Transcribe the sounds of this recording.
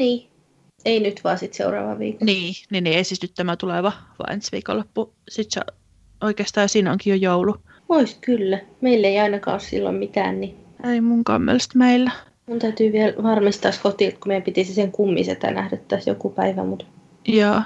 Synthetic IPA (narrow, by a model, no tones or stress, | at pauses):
niː | einyt̪ʋoɑˑsit̪sḛurɑ̰ːʋɑ̰ʋḭːkniːninːiesit̪nyt̪t̪æmæt̪uleʋɑʋɑ̰ːensʋḭːkolːopːu | sit̪sḛ | oikeːst̪ɑːjɑsiːnoŋkijojoulu | oiskylːæmeilːeiɑinɑkɑ̰ːossḭlːo̰mmit̪æ̰ːnni | eimuŋkɑ̰mːḛlst̪meilːæ | munt̪æyt̪yːʋiɛlʋɑrmist̪ɑːskot̪iˑlt̪kumeiæmpit̪isiseŋkumːḭsḛt̪æ̰næ̰hdøt̪t̪æsjo̰kupæiʋæ̰mut̪ | jɑː